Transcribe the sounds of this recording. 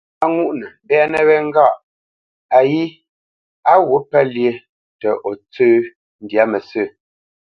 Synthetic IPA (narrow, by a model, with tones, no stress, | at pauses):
a˦ŋu˦˨ʔnɛ˨bɛ˦nə˦βɛ˦ŋ̩˦ɡa˦˨ʔ | a˨ji˦ | a˦ɣo˨˦pɛ˦lje˨˦ | tə˨ʔɔ˨t͡sə˦ | n˦dja˦mə˨sə˦˨